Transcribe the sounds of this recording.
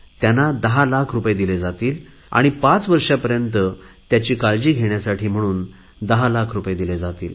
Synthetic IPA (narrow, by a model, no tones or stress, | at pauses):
t̪janːad̪əɦalakʰɾupjed̪iled͡zat̪iːl | a̰ɽ̃ipat͡sʋəɾʂjapəɾjənt̪ət̪jat͡ɕiːkald͡ʑiːɡʱeɳjasaʈʰiːm̤əɽ̃uːn | d̪əɦalakʰɾupjed̪iled͡zat̪ḭːl